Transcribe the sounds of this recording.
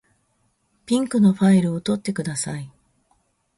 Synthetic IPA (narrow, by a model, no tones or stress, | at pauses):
pʲĩŋkɯ̟no̞ɸaiɾɯ̟o̞t̪o̞t̪ːe̞kɯ̟d̪asai